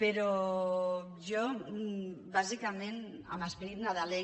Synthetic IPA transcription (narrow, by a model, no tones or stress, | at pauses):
peɾo | ʒo | bazikamẽn | a̰maspeɾit̪naðale